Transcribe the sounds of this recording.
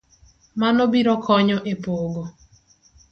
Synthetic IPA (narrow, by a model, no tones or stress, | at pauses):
manɔbiɾɔkʰɔɲɔʔepoɡo